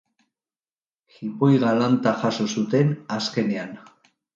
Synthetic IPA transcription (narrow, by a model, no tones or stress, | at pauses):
xipo̞jɣalant̪axaso̞sut̪e̞naske̞ne̞an